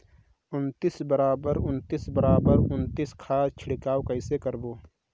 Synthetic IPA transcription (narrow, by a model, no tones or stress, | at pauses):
ʊnt̪isbəɾaːbəɾʊnt̪iːsbəɾaːbəɾʊnt̪iskʰaːt͡ʃʰɪɽɪkaːwkəɪsekəɾboː